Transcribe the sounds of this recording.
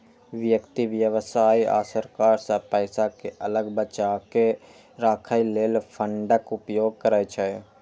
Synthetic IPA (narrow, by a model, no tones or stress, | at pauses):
ʋjəkt̪iʋjəʋsaːia̰ːsəɾkaːɾsapəːsakeʔələɡbət͡ʃake | ɾaːkʰaileːlpʰəɳɖəkʊpjoːɡ̚kəɾəjt͡ʃʰə